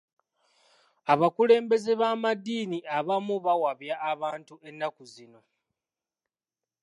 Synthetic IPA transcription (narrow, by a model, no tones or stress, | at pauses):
aβakule̞ːmbe̞zeβaːmadːiːniʔaβamuβawaβjaːβaːntue̞nːakuzino̞